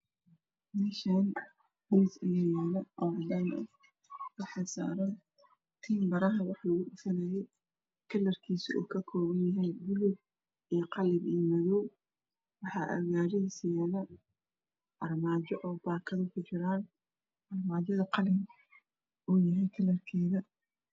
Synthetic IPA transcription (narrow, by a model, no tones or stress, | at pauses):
mɛːʃan | disɐjaːjɛːlɐʔɔːʕɑd̪aːnɐ | wɑħɑsa̰ːɾɐn | t̪ʰiːmbɐɾɐɦɐwɑħlɐɣʊɗʊfɐnɐːjɛj | kʰɐlːɐrkʰiːsṵːkʰɐkʰɔːwɐnjɐɦɛjbʊlub̚ | ijqɑlɪbiːmɐðɔw | wɑħɑːʔɐ̰ɣaːɾɛsɪjaːðɐ | ʔɐrmaːd͡ʒɔʔɔːbaːkʰɐðɐkʰʊt͡ʃɪɾaːn | ʔɐrmaːd͡ʒɐðɐqɑlɪm | uːjɐɦɛjkʰɐlːɐrkʰɛːðɐ